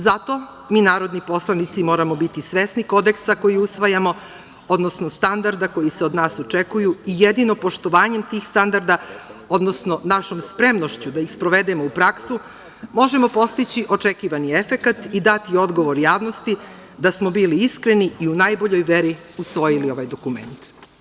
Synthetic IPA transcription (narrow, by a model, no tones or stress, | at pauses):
zat̪o̞ | miːnaːɾod̪nipo̞slˠanit̪simo̞ːɾamo̞bit̪isʋe̞sniko̞d̪e̞ksako̞jiusʋajamo̞ | o̞d̪nosnost̪and̪aɾd̪ako̞jiseod̪naːsot͡ʂe̞kujuijed̪ino̞po̞ʃt̪o̞ʋaːɲe̞mt̪iːxst̪and̪aɾd̪ao̞d̪no̞sno̞naʃo̞mspɾe̞mno̞ʃt͡ɕud̪aixspɾoʋe̞d̪emo̞upɾaksu | mo̞ʒemo̞po̞st̪it͡ɕiʔo̞t͡ʂekiːʋanie̞fe̞kat̪id̪at̪io̞d̪ɡo̞ʋo̞ɾjaːʋno̞st̪i | d̪asmo̞biːliiskɾeniiunajbo̞ʎo̞jʋe̞ɾi | usʋo̞jilio̞ʋajd̪o̞kument̪